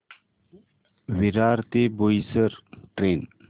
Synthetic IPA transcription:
wiɾaːɾt̪eːboisəɾʈɾeːn

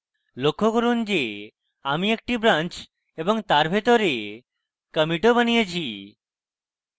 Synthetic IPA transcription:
lokʰːokɔɾund͡ʑe | amiek̚ʈibɾãnt͡ʃ | ebɔŋt̪aɾbʱet̪ɔɾe | kəmiʈobənijet͡ɕʰi

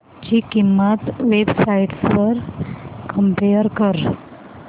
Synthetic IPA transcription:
t͡ɕikimːat̪ʋebsaiʈsʋəɾkəmpeəɾkəɾ

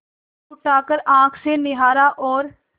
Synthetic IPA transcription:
ʈaːkəɾãːkʰseːnɪɦaːɾaːʔɔːɾ

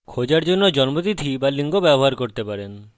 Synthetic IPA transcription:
kʰod͡ʑaɾd͡ʑonːod͡ʑɔnmot̪it̪ʰibaliŋɡobɛboɦaɾkoɾt̪epaɾen

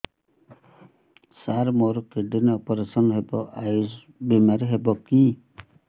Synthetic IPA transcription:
saɾmoɾukeɖinɔpɔɾesɔnɦebɔʔajus | bimaɾɦebɔki

